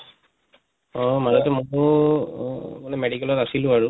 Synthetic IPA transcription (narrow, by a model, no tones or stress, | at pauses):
ɔmaɹɔtɛmɔ | manɛmeɽikɛlɔtasilʊaɹu